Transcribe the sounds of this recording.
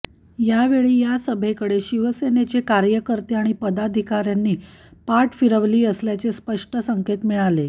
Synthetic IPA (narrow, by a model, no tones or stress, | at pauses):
jaʋeɭiːjasəbʱekəɽeɕiʋəsenet͡sekaɾjəkəɾt̪eaɽ̃ipəd̪ad̪ʱikaɾjanːiːpaʈfiɾəʋliːəsljat͡sespəʂʈəsəŋket̪miɭale